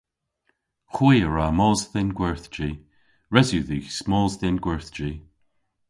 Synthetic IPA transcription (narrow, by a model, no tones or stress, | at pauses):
xwujəɹamɔːzðɪnɡwɛɹθd͡ʒiː | ɹɛzjuðiːsmɔːzðɪnɡwɛɹθd͡ʒiː